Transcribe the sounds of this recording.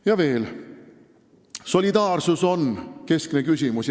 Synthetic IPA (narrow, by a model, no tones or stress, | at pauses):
jɑve̞ːl | so̞lʲid̪ɑːrsuso̞nke̞skne̞kysʲimus